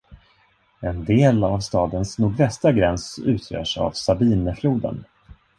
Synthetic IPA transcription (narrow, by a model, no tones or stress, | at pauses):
ɛnd̪eːlavst̪ɑːd̪ənsnuːɡvɛst̪aɡɾɛnsʉ̟ːt̪ʰjœ̰ːʂa̰vsabiːnəfluːd̪ə̰n